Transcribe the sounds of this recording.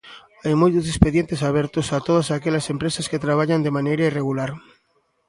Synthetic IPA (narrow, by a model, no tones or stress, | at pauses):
ajmojt̪osespeðjent̪esaβeɾt̪osat̪oð̞asakeʎasempɾesasket̪ɾaβ̞aʎand̪emanejɾaireɣulaɾ